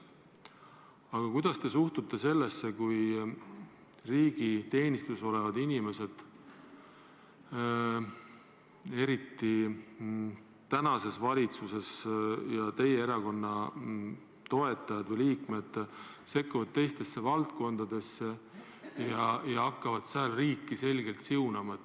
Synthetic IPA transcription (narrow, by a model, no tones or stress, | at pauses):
ɑɡ̥ɑkujd̪̥ɑst̪e̞suht̪ut̪ːˑe̞se̞lːesːe̞kuj | riːɡ̥it̪e̞ːnʲist̪uso̞le̞vɑd̪inʲime̞se̞d̪̥ | e̞ɾit̪ːi | t̪ænɑse̞svɑlʲit̪suse̞sjɑt̪e̞jeeɾɑko̞nːɑ | t̪o̞e̞t̪ːˑɑjɑd̪̥vɤjliːkme̞d̪̥ | se̞kːuvɑd̪̥̚t̪e̞jst̪e̞sːe̞vɑlt̪̚ko̞nd̪̥ɑd̪̥e̞sːe | jɑjɑɑkːɑvɑd̪̥sɑlriːkːise̞lʲɡe̞lt̪siunɑmɑ